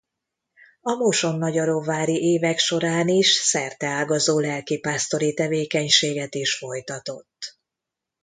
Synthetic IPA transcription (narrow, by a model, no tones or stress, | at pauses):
ɒmoʃo̞nːɒɟɒɾovaːɾiʔeːvɛkʃo̞ɾaːniʃsɛrt̪ɛaːɡɒzoːlɛlkipaːst̪o̞ɾit̪ɛveːkɛɲʃeːɡɛt̪iʃfo̞jt̪ɒt̪o̞t̪ː